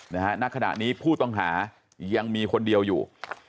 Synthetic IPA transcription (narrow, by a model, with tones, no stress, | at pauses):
na˦˥ha˦˥na˦˥kʰa˧na̰˨˩ʔniː˦˥pʰuː˥˩t̪ɔ˥˩ŋɦaː˩˦ | ja˧ŋmiː˧kʰo˧ndi˧əwjṵː˨˩